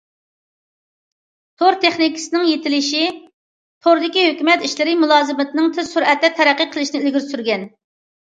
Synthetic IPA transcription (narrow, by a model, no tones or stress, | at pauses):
t̪ʰoɾt̪ʰeχnikʲsɨnɪŋjet̪ʰɪlɪʃi | t̪ʰoɾd̪ɪkʲiɦøkʲymɛt̪iʃlɪɾɪmulˠɑːzɨmɪt̪ɪnɪŋt̪ʰɪzsuɾɛt̪ːɛt̪ʰɛɾɛqːəqʰəlˠɪʃinɪilɡʲiɾsyɾɡʲɛn